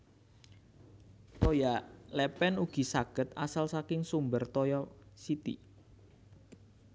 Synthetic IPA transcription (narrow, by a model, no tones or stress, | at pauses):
t̪ojalɛpɛnuɡ̥i̤saɡ̥ə̤t̪a̰salsakɪŋsumbərt̪ɔjɔsit̪ḭ